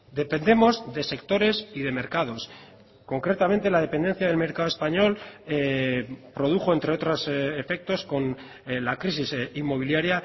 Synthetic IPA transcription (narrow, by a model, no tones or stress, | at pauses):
d̪e̞pe̞nd̪e̞mo̞zðe̞se̞kt̪o̞ɾe̞siðe̞me̞ɾkað̞o̞s | ko̞ŋkɾe̞t̪ament̪e̞laðe̞pend̪e̞nθjaðelme̞ɾkaðoespaɲo̞l | pɾo̞ð̞uxo̞e̞nt̪ɾe̞o̞t̪ɾosefe̞k̚t̪o̞sko̞n | lakɾisisimːo̞β̞iljaɾja